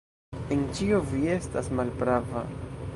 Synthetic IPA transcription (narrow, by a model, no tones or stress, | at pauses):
e̞nt͡ʃio̞vie̞stasmalpɾava̰